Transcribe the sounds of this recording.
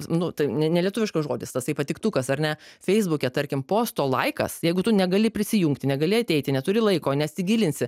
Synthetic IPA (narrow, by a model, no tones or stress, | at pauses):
nʊt̪ɐɪnʲɛnʲɛlʲiɛt̪ʊʋʲɪʃkɐsʒoːd̪ʲɪst̪ɐstɐɪpɐt̪ʲɪkt̪ukɐsɐɾʲnʲɛfʲɛɪzbukʲɛt̪ɐɾʲkʲɪmpoːst̪oːlˠɐɪkɐ̰sjɛɪɡʊt̪ʊnʲɛɡɐlʲɪpʲɾʲɪsʲɪjuŋkt̪ʲɪnʲɛɡɐlʲɪɐt̪ʲɛɪt̪ʲɪnʲɛt̪ʊɾʲɪlˠɐɪkoːnʲɛt̪sʲɪɡʲiːlʲɪnʲsʲɪ